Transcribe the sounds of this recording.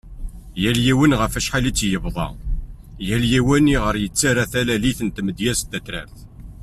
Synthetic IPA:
jæljiwənʁəfæʃħalit͡sːjəvðˤɑ̰ | jæljiwæniʁəɾjət͡sːaɾæθælæliθənt̪məd̪jæst̪ːæt̪ɾæ̰θ

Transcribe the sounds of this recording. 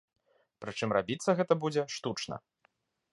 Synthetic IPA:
pɾɨt͡ʂɨmrabʲit̪sːɐɣɛt̪ɐbud͡zʲɛʂt̪ut͡ʂnɐ̰

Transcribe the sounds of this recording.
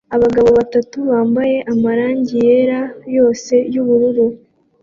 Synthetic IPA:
aβaɡaβo̞βatatuβaːmbaje̞ʔamaɾaːɲɟije̞ɾajo̞ːse̞juβuɾuɾu

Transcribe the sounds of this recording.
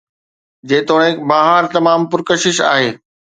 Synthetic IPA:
d͡ʑeːt̪oːɽ̃ẽkbaːɦəɾt̪ɐmaːmpʊɾkəʃɪʃa̰ːɦeː

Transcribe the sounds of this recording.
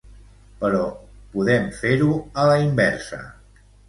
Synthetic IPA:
pəɾɔpuðɛmfeɾuələimbɛɾsə̰

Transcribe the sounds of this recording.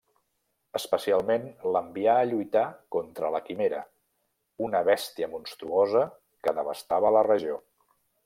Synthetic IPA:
əspəsialˠmenləmbiaːʎujt̪akɔnt̪ɾələkimeɾə | unəβɛst̪iəmunst̪ɾuozə | kəðəβ̞əst̪aβələrəʒio

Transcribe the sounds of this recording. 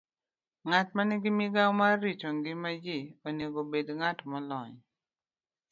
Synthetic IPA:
ŋatmanɪɡɪmiɡamaɾit͡ʃoŋɡimad͡ʒeoneɡobedŋatmɔlɔɲ

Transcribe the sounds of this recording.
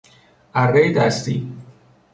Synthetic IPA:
ʔæɾːejd̪æst̪ḭː

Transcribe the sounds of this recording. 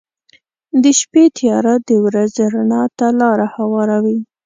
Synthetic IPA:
d̪əʃpet̪ʰijɑɾad̪əwɾazɾaɳɑt̪alɑɾahawɑɾawi

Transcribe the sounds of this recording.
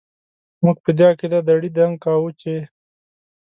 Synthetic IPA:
mʊɡ̚pəd̪jɑked̪ad̪aɽid̪aŋɡ̚kawut͡ʃe

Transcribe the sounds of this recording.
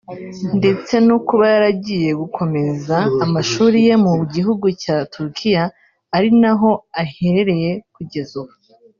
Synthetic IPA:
nde̞t͡se̞nukuβajaɾaɟije̞ɡukʰo̞me̞zaːmaʃuːɾije̞muɟiɦuɡucaːtʰuɾkʰijaː | ɾinaɦo̞aheɾeɾe̞je̞kuɟe̞zuβu

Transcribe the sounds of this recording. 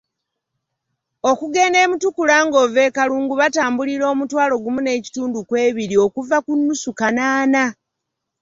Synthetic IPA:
o̞kuɡe̞ne̞ːmutukulaːŋɡo̞ve̞ːkaluːŋɡuβataːmbuliɾo̞ːmutwaːlo̞ɡumune̞ːci̥tuːndukwe̞ːβiɾio̞kuvakunːusukanaːna

